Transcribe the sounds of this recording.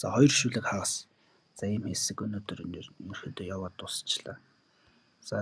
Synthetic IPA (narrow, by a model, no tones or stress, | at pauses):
t͡sa̰χɔj̆rʃuːɮɘ̆kχaʁə̆s | t͡sæjə̆mxesɘ̆kɵnoːt̪ɵ̆rnɵrxɵ̆t̪ɵjawaːt̪ʊsə̥t͡ɕɮa̰ː | t͡saː